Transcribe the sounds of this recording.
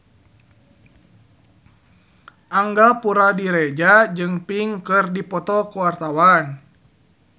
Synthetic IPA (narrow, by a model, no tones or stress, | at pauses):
ʔaŋɡapuɾadiɾɛd͡ʒad͡ʒɨŋpiŋkɨrdipɔt̪ɔkuwart̪awan